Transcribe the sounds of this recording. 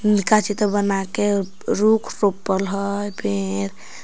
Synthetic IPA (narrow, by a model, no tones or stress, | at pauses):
nikat͡ʃit̪ɔbənake | ɾukʰɾopəlɦəjbeɾ